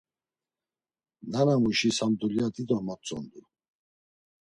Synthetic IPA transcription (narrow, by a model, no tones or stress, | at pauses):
nanamuʃisamd̪uliat̪ʼid̪ɔmat͡sʼɔ̰nd̪u